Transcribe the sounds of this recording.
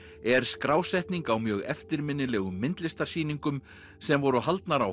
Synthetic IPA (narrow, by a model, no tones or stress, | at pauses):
ɛɾ̥skɾaːwsɛjht̪niŋkawmjœːɣɛ̰ft̪ɪɾmɪnːɪlɛːɣʏmːɪnt̪lɪst̪ar̥siːniŋkʏm | sɛmvɔɾʏɦalt̪naɾaw